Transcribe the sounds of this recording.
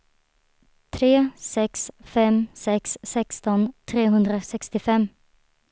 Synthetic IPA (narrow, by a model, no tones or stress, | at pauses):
t̪ʰɾeːsɛksfɛmsɛksːɛkst̪ɔnt̪ʰɾeːɦɵnd̪ɾəsɛkst̪ɪfɛm